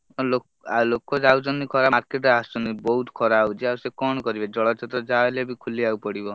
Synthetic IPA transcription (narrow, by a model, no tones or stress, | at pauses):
ɔlo | alokɔd͡ʒawt͡ʃɔnikʰɔɾaaɾkeʈast͡ʃɔnibɔɦut̪kʰɔɾaut͡ʃʰiawsekɔɽ̃ɔkɔɾibed͡ʒɔɭɔt͡ʃʰet̪ɾɔd͡ʒaelebikʰuliawpɔɽibɔ